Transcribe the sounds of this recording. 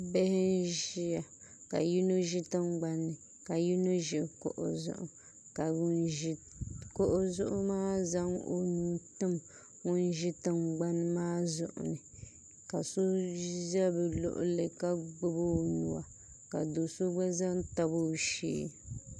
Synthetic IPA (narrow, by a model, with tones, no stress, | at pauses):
bɛ˦hɪ˦n˦ʒi˦ja˨ka̰˨ji˦no˦ʒi˦tɨ˦mɡ͡ba˦nːɨ˨ | ka˨ji˦no˦ʒɪ˨ko̰˨ʔo̰˨zʊ̰˦˨ʔʊ̰˨ | ka˨ʊ˦nʒi˦ | ko˦ʔʊ˨zʊ˦ʔʊ˦maː˦za˦ŋo̰˦nu˦tɨ˦m | ŋʊ˦n˦ʒɪ˦tɨ˦ŋ͡mɡ͡ba˦nɨ˦maː˦zʊ̰˨ʔʊ̰˨nɨ˨ | ka˨so˦za˦bɨ˨lʊ̰˦˨ʔʊ̰˨lɨ˨ka˦ɡ͡bɨ˦bo˦nu˨wa̰˨ | ka˨do˨so˦ɡ͡ba˦za˦ŋta˦bo˦˨ʃḛː˦